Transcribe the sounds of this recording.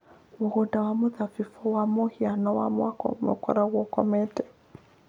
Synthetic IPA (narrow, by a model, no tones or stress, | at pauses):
moɣudawamoðafifɔwamohianɔwa̰mwakɔ̰mɛ̰kɔ̰ɾaɣwɔkɔmɛtɛ